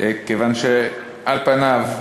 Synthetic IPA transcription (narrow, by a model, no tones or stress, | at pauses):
kevanʃe | ʔalpanav